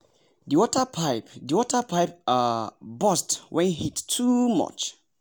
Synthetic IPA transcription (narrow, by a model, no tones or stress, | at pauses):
diwɔtəpʰaɪpdiwɔtəpʰaɪp̚abɔstwʔɛ̃nhitːʰumʌ̰t͡ʃ